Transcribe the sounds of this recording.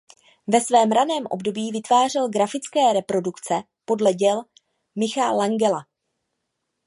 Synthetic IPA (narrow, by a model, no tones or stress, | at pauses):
vɛsvɛːmɾanɛːmʔo̞̰bdo̞biːvɪt̪vaːr̝ɛlɡɾafɪt͡skɛːɾɛpɾo̞dukt͡sɛ | po̞dlɛɟɛl | mɪxalaŋɡɛla